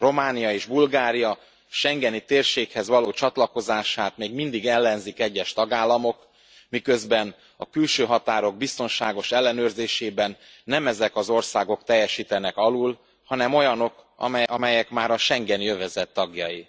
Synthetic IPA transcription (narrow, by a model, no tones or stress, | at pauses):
ro̞maːnijɒeːʒbulɡaːɾijɒ | ʃɛŋɡɛnit̪eːrʃeːkhɛzʋɒloːt͡ʃɒt̪lɒko̞zaːʃaːt̪meːɡmind̪iɡɛlːɛnzikɛɟːɛʃt̪ɒɡaːlːɒmo̞k | mikø̞zbɛn | ɒ̰kylʃøːɦɒt̪aːɾo̞ɡ̚bist̪o̞nʃaːɡo̞ʃɛlːɛnøːrzeːʃeːbɛnː | ɛmɛzɛkɒzo̞rsaːɡo̞k̚t̪ɛjːɛʃiːt̪ɛnɛkɒlul | hɒnɛmo̞jɒno̞k | ɒmɛjɛkmaːɾɒʃɛŋɡɛnijøvɛzɛt̪ːɒɡjɒji